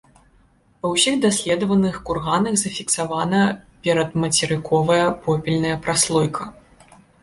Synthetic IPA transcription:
pɐwsʲiɣd̪asʲlʲɛd̪ɐvɐnɨxkurɣanɐɣzɐfʲiksavanɐpʲɛɾɐd̪mɐt͡sʲɛɾɨkʰɔvɐjɐpɔpʲilʲnɐjɐpɾaslˠɔjkʰɐ

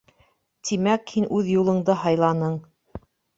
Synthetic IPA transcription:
t̪imækhinʔʉðjulˠɤ̆ɴd̪ɤɦɑjlˠɑnɤɴ

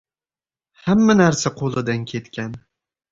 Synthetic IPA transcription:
hamːanaɾsaqʰolˠɪd̪ankʲʰe̞t̪kʲan

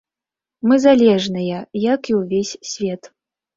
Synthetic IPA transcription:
mɨzalʲɛʐnɨjɐjakiwvʲesʲsʲvʲɛt̪

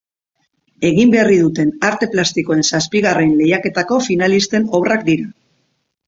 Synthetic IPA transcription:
e̞ɣimbeariðut̪e̞naɾt̪e̞plast̪iko̞e̞nsaspiɣ̞arenle̞jake̞t̪ako̞finalist̪e̞no̞βrak̚d̪iɾa

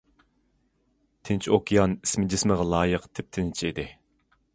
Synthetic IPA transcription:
t̪ʰɪnt͡ʃʰokʰijɑni̥smɪd͡ʒɪsməʁɑlˠɑːjəqt̪ʰɪp̚t̪ʰɪnt͡ʃʰid̪ɪ

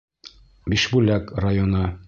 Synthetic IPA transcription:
biʃbʉlækrajonɤ

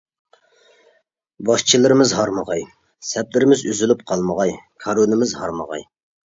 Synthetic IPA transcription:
bɑʃt͡ʃʰilˠɨɾɪmɪzhɑɾməʁɑj | sɛp̚lɪɾɪmɪzyzylyp̚qʰɑlˠməʁɑjkʰɑɾonɪmɪzhɑ̰ɾmə̰ʁɑ̰j

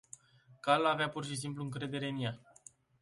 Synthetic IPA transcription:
kalulaveapurʃis̬impluɨŋkɾe̞d̪e̞ɾe̞ɨnja

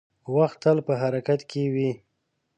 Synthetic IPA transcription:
waxt̪ːəlpəɦaɾakat̪kʰewi

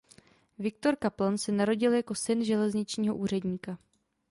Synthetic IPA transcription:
vɪk̚t̪o̞ɾkaplonsɛnaɾo̞ɟɪljako̞sɪnʒɛlɛzɲɪt͡ʃɲiːɦo̞ʔuːr̝ɛdɲiːka

